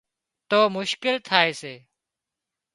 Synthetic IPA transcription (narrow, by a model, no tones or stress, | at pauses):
t̪oːmʊʃkɪlt̪ʰaːeːseː